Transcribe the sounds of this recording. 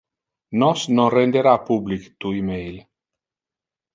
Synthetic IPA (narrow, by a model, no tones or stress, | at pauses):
nɔsnonrend̪eɾapublikt̪uimejl